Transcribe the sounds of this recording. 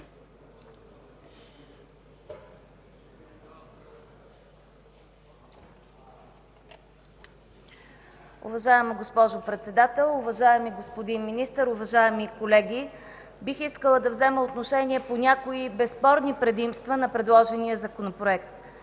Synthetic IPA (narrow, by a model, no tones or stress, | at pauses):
ʊ̰vɐʒaɛməɡospɔʒʊpɾɛt̪sɛd̪at̪ɛlˠʊvɐʒaɛmiɡospod̪inminist̪əɾʊvɐʒaɛmikolɛɡʲibixiskəlˠəd̪ɐvzɛməot̪noʃɛniɛponʲakoibɛspɔɾnipɾɛd̪imst̪vənɐpɾɛd̪lˠɔʒɛnijəzɐkonopɾoɛk̚t̪